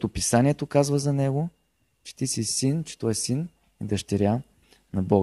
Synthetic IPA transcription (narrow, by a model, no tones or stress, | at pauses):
t̪opisanʲiɛt̪okazvəzɐnɛɡo | t͡ʃɛ̥t̪isisint͡ʃɛ̥t̪ɔɛsin | ɛd̪ɐʃt̪ɛɾʲja | nɐbɔɡ